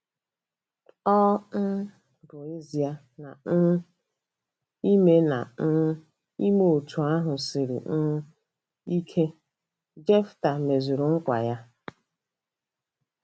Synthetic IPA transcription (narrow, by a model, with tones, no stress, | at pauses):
ɔ˦n̩˦ | bo˨e˦zi˨a˨ | na˨n̩˦ | i˦me˦na̰˨n̩˦ | i˦m˦o˨tu˨a˦ɦʊ˨sɪ˨ɾɪ̰˨n̩˦ | i˦kʰe˦ | d͡ʒe˦fta˨me˨zu˨ɾʊ˨ŋ̩˦kʷa̰˨ja˦